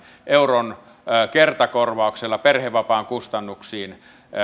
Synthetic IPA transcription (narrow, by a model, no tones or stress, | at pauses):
ʔeuron | kert̪ɑkorʋɑˑukselːɑperheʋːɑpɑːŋkust̪ɑnːuksiːn